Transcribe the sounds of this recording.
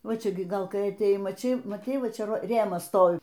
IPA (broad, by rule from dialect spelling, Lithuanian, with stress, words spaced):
ˈʋɐ ˈt͡ʃʲɛ ɡʲɪ ˈɡɐlˠ ˈkɐɪ ɐtʲeːˈjɛɪ mɐˈt͡ʃʲɛɪ mɐˈtʲɛɪ ˈʋɐ ˈt͡ʃʲɛ ˈʋɐ ˈrʲeːmɐs ˈstoːʋʲɪ